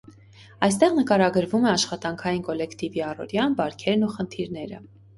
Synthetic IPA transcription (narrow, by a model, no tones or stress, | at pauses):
ɑjst̪ɛʁnəkɑɾɑɡəɾvumɛɑʃχɑt̪ɑŋkʰɑjinkɔlɛkʰt̪iviɑrɔ̰ɾjɑnbɑɾkʰɛɾnuχənt̪ʰiɾnɛɾə̰